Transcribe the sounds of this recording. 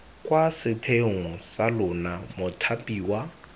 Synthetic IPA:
kʼwasɪtʰeŋ̩salʊnamʊtʰapʼiːwa

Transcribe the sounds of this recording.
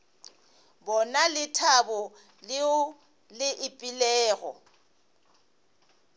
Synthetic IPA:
bɔnalɪtʰabɔ | lɪ | lɪʔɪpʼɪlɛːɣɔ̰

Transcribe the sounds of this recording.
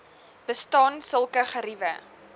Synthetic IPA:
b̥əstɑːnsəlˠkəχəɾivə̰

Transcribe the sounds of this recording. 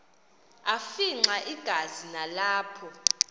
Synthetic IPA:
afiŋ͡ǀaʔiɡ̥ʱazinalaːpʰɔ

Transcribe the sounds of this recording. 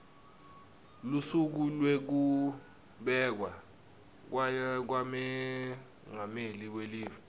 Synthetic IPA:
lusuk̬ulwek̬u | ɓɛk̬wa | k̬wak̬wamɛ | ŋameliweliːvi

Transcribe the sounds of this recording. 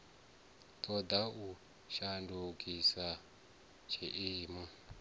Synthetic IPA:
tʰʼɔd̪au | ʃandukʼisa | t͡ʃʰiʔiːmu

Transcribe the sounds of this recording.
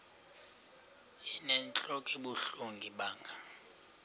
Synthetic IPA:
inɛnt͡ɬʼokʼiɓuɬuŋɡʱiɓaːŋɡʱa

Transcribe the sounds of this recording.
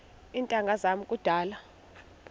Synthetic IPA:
intʼaŋɡʱazam̩kʼud̥ʱaːla

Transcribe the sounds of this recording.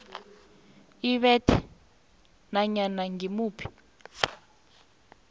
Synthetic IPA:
iβɛtʰi | naɲanaŋimuːpʰi̥

